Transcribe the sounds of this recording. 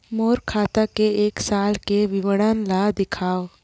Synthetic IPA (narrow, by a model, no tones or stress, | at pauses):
moːɾkʰaːt̪akeeːksaːlkeʋɪʋəɽanlad̪ɪkʰaːw